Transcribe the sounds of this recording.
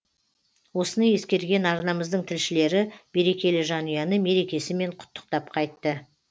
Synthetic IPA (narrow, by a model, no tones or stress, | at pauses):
wo̞sənɑje̞skʲe̞ɾɡʲe̞nɑɾnɑməzd̪əɴt̪ʰɪlʃɪle̞ɾɪbe̞ɾe̞kʲe̞lɪʒɑnujɑnəme̞ɾe̞kʲe̞sɪme̞ɴqʰʊ̥t̪ːə̥q̚t̪ɑp̚qʰɑjt̪ːə